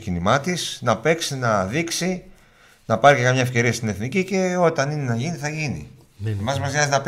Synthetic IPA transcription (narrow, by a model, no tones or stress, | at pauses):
cinimɐt̪isnɐpe̞ksinɐðiksi | nɐpɐɾicekɐmɲɐe̞fce̞ɾiɐst̪ine̞θnicice̞o̞t̪ɐnine̞nɐʝiniθɐʝinḭ | emɐzmɐzɐznɐp